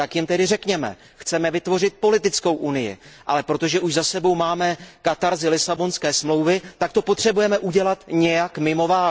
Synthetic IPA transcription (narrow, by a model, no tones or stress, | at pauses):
t̪akjɪmt̪ɛdɪrɛkɲɛmɛ̰ | xt͡sɛmɛvɪt̪vo̞r̝ɪt̪̚po̞lɪt̪ɪt͡sko̞wʔunɪjɪ̰ʔalɛpɾo̞t̪o̞ʒɛʔuʒzasɛbo̞wmaːmɛkat̪aɾzɪlɪsabo̞nskɛːsmlo̞wvɪt̪ak̚t̪o̞pot̪r̝̥ɛbujɛmɛʔuɟɛlat̪ɲɛjakmɪmo̞vaː